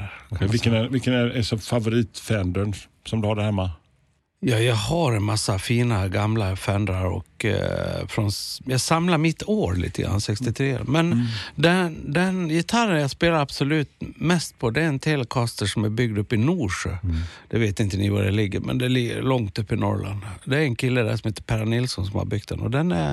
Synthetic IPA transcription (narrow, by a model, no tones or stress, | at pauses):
vɪkːənɛvɪkːənæɛsɔfavʊɾiːt̪fɛnd̪əɳ | sɔmd̪ɵhaɖæɾhɛmːa | jɑːjɑːɡhaɾɛnmasːafiːnaɡamlafɛnd̪ɾaɾɔ̰k | fɾɔnjɑːɡsamlaɾmɪt̪ːoːɾlḭːt̪ʰəɡɾa̰nsɛkst̪ɪt̪ʰɾḛːmɛnd̪ɛd̪ɛnjɪt̪ʰaɾənjaspeːlaɾabsɔlʉ̟ːt̪mɛst̪̚pʰɔd̪ɛæɾɛnt̪ʰeləkʰɑst̪əʂɔmæɾbʏɡ̚d̪ɵpːɪnuːʂød̪̥ɛveːt̪ɪnt̪ənɪva̰ɾɛ̰lɪɡːə̰ɾmʔɛ̰nd̪ɛlɪɡːə̰ɾlɔŋt̪ɵpːɪnɔ̰ɾla̰nd̪d̪ɛɾɛnkʰɪlːəd̪æ̰ʂɔmheːt̪ə̥pʰæɾanɪlsɔnsɔmha̰bʏɡ̚t̪̚d̪ɛ̰nɔ̰d̪ɛnæ̰ɾ